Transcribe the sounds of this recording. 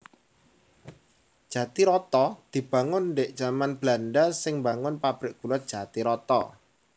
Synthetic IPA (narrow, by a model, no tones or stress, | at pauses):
d̥ʒ̥a̤t̪iɾɔt̪ɔd̪̥i̤b̥a̤ŋʊndeʔd̥ʒ̥amanb̥lanɖasɪŋmbaŋʊnpab̥ɾɪkɡ̥ulɔd̥ʒ̥a̤t̪iɾɔt̪ɔ̰